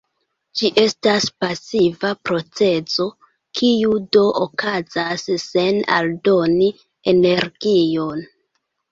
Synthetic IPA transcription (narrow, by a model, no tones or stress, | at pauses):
d͡ʒiʔe̞staspasivapɾo̞t͡se̞zo̞ | kʰiudo̞ʔokazasːe̞na̰ldo̞ni | ene̞ɾɡ̥ijo̞n